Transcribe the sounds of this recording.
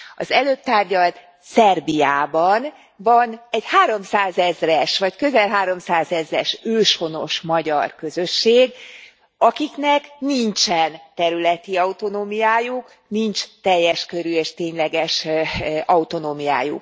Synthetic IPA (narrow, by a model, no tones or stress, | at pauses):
ɒzɛløːp̚t̪aːrɟɒlt̪ | sɛrbijaːbɒn | vɒnɛɟhaːɾo̞msaːzɛzrɛʃvɒckø̞zɛlɦaːɾo̞msaːzɛzrɛʃøːʃho̞no̞ʃmɒɟɒrkø̞zø̞ʃːeːɡ | ɒkiknɛknint͡ʃɛnt̪ɛɾylɛt̪iɒut̪o̞noːmijaːjuk | nint͡ʃt̪ɛjːɛʃkø̞ɾyeːʃt̪eːɲlɛɡɛʃʔɒut̪o̞noːmija̰ːjṵk̚